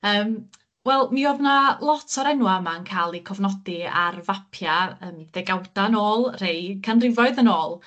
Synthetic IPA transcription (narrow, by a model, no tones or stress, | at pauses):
əːm | wɛlˠmioːvnalˠɔtʰɔɾɛnwaəmankʰaːlˠikʰɔvnɔdia̰rvapʰjaəːmðɛɡawdanoːlˠr̥ejkʰanrɪvɔɨðənoːlˠ